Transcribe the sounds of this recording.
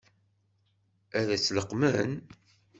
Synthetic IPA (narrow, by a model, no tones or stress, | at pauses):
æðæt͡sːləqːmən